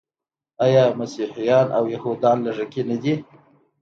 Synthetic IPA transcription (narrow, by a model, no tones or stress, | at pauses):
ɑjɑmasiħijɑnʔa̰wjahud̪ɑnlaʐakinad̪i